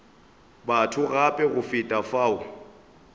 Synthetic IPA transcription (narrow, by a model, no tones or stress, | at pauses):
batʰʊɣapʼɛɣʊfɪtʼafaːʊ